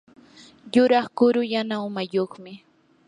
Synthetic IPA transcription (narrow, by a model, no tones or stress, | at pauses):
jʊɾɑχkʊɾʊjanaʊmajoχmɪ